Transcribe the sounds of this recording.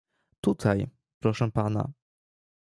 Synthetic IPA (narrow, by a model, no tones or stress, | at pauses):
t̪ut̪ʰaj | pɾɔʂɛ̃pana̰